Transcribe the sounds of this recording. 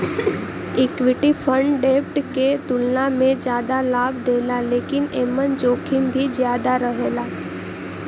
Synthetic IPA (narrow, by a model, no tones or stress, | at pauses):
ɪkʋɪʈipʰə̃ɳɖɖeːpʰʈket̪ʊlnamẽd͡ʒjaːd̪alaːbʱd̪eːlaleːkɪneːmənt͡ʃoːkʰɪmbʱizjaːd̪aɾəɦeːlaː